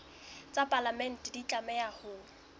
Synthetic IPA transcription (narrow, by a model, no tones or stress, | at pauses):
t͡sʼapʼalamɛn̩tʼdit͡ɬʼamɛjahʊ